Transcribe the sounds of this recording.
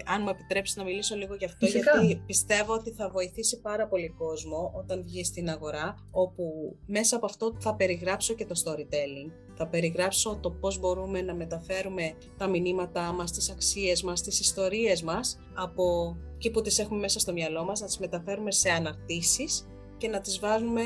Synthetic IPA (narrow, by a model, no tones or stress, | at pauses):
ɐnmue̞pi̥t̪ɾe̞psi̥znɐmiliso̞liɣo̞ʝɐft̪oʝɐt̪ipist̪e̞vo̞ot̪iθɐvo̞iθisipɐɾɐpo̞liko̞zmo̞ʔo̞t̪ɐɱvʝist̪inɐɣo̞ɾɐ | o̞pume̞sɐːpoɐft̪o̞θɐpe̞ɾiɣɾɐpso̞ce̞t̪o̞st̪o̞ɾit̪e̞liŋɡ | θɐpe̞ɾiɣɾɐpso̞t̪o̞po̞zbo̞ɾume̞nɐme̞t̪ɐfe̞ɾume̞ | t̪ɐminimɐt̪ɐmɐst̪isɐksie̞zmɐst̪isist̪o̞ɾie̞zmɐs | ɐpo̞ciput̪ise̞xume̞me̞sɐst̪o̞mɲɐlo̞mɐznɐt̪izme̞t̪ɐfe̞ɾume̞se̞ɐnɐɾt̪isis | ce̞nɐt̪izvɐzume̞